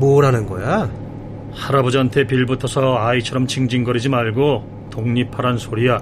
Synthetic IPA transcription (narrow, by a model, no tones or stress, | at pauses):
moɾɦanɯnɡʌ̰ja | haɾabod͡ʑʌntʰe̞piɭbutʰʌsʰʌait͡ɕʰʌɾʌmt͡ɕʰiŋd͡ʑiŋɡʌɾid͡ʑimaɭɡo | toŋɲipʰaɾansʰoɾija